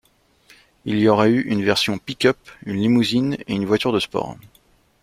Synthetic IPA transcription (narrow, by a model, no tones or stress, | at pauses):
iliɔʁɛyʔynvɛʁsjɔ̃pikʲœpynlimuzineynvwat̪yʁd̪əspɔ̰ːʁ